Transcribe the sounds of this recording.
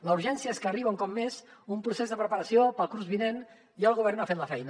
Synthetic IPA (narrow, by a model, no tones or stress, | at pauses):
ləuɾʒɛnsiəeskəːriβəuŋkɔpmezumpɾusezðəpɾəpəɾəsiopəlˠkɾuzβinen | iəlˠɣuβ̞ɛɾrnafet̪ləfɛjnə